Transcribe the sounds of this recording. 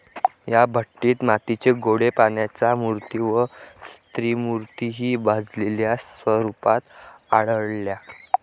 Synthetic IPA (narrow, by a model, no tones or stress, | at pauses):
jabʱəʈːiːt̪mat̪it͡seɡoɽepanjat͡samuɾt̪iːʋəst̪ɾimuɾt̪iɦiːbʱad͡zleljasʋəɾupat̪a̰ɽəɽlja